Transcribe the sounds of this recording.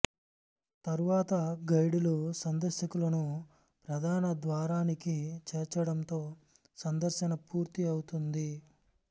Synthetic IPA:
t̪ɐɾuʋaːt̪ɐɡɐjɽulusɐnd̪ɐɾʃɐkulɐnu | pɾɐd̪ʱaːnɐd̪ʋaːɾaːnikit͡ʃɛːɾt͡ʃɐɽɐnt̪o̞ː | sɐnd̪ɐɾʃɐnɐpuːɾt̪iɐwut̪und̪i

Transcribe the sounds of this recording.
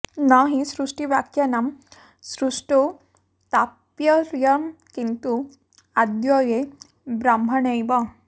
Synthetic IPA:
naɦĩsɾuʂʈiʋjakjanam | sɾuʂʈo | t̪apjəɾjɐmkint̪u | ad̪jɔje | bɾambʱɐɳejba

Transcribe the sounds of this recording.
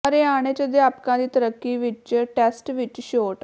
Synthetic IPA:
əɾeaɽ̃et͡ɕəd̪japkãd̪iːt̪əɾəkːiʋit͡ɕəʈesʈʋit͡ɕɕoːʈ

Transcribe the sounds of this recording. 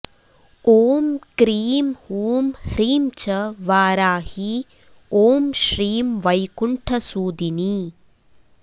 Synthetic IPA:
oːmkɾiːmhuːmhɾiːmt͡ʃɐʋaːɾaːhi | oːmʃɾiːmʋɐjkuɳʈʰɐsuːd̪ini

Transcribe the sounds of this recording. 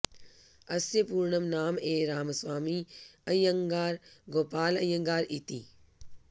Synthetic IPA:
ɐsjepuːɾɳəmnaːmeːɾaːməswaːmiɐjjɐ̃ŋɡaːɾɡoːpaːlɐjə̃ŋɡaːɾit̪ḭː

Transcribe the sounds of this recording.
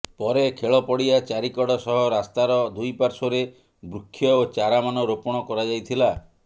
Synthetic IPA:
pɔɾekʰeɭɔpɔɽiat͡ʃaɾikɔɽɔsɔɦɔɾast̪aɾɔd̪ujpaɾsɔɾe | bɾukʰːjɔot͡ʃaɾamanɔɾopɔɽ̃ɔkɔɾad͡ʒajt̪ʰila

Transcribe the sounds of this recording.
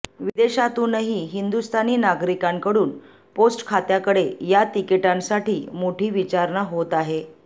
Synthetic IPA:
ʋid̪eɕat̪uːnəɦiːɦind̪ust̪ʰaniːnaɡɾikaŋkəɽuːn | posʈkʰat̪jakəɽejat̪ikeʈãnsaʈʰiːmoʈʰiːʋit͡ɕaɾɳaɦot̪aɦe

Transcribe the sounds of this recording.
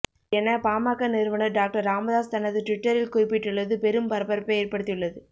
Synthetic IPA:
ɛnɐpaːmaːkːɐnɪɾɯʋɐnɐɾɖaːk̚ʈɐɾaːmɐðaːst̪ɐnɐðɯʈʋɪʈːɐɾɪlkʊːɾɪpːɪʈːɯɭːɐðɯpɛɾɯmpɐɾɐpɐɾɯpːɐjeːɾpɐɽɯt̪ːɪjɯɭːɐðɯ

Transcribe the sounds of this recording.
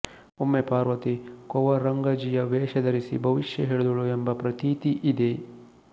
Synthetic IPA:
umːepaːɾʋɐt̪ikɔʋɐɾɐŋɡɐd͡ʒijɐʋɛːʃɐd̪ɐɾisḭbʱɐʋiʃjɐɦeːɭd̪uɭuembɐpɾɐt̪iːt̪iʔid̪e

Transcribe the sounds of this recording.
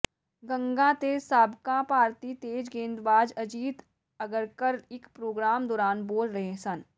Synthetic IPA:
ɡɐ̃ŋɡãt̪eːsaːbʱkãpaːɾt̪it̪eːd͡ʒɡẽːnd̪baːd͡ʒɐd͡ʒiːt̪ | ɐɡəɾkəɾɪkpɾoːɡɾaːmd̪ɔːɾaːnboːlɾɐɦẽsɐn

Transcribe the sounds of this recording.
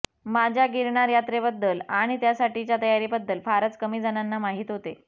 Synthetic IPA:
mad͡ʑʱjaɡiɾɳaɾjat̪ɾebəd̪ːəlaɽ̃it̪jasaʈit͡ɕjat̪əjaɾibəd̪ːəlfaɾət͡skəmiːd͡zananːamaɦiːt̪ɦot̪e

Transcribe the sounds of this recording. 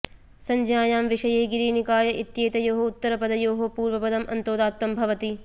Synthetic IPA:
sɐɲd͡ʒjaːjaːmʋiʃɐjeːɡiɾiːnikaːjɐʔit̪jeːt̪ɐjoːɦout̪ːɐɾɐpɐd̪ɐjoːɦopuːɾʋɐpɐd̪ɐmʔɐ̰nt̪oːd̪aːt̪ːɐmbʱɐʋɐt̪i

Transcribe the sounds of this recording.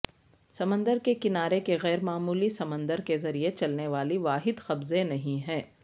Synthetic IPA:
sɐmə̃nd̪əɾkekɪnaːɾekeɣɛːɾmaːmuːlisɐmə̃nd̪əɾkezɐɾiet͡ʃɐlneʋaːliʋaːɦɪd̪xɐbzẽnɐɦĩɦɛ̃ː

